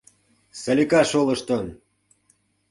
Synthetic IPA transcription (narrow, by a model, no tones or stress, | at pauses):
sə̆lʲikɑʃolɤ̆ʃt̪ə̆n